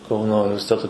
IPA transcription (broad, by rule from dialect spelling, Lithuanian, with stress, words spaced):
ˈkɐʊnoː ʊnʲɪʋʲɛrʲsʲɪˈtʲæːtoː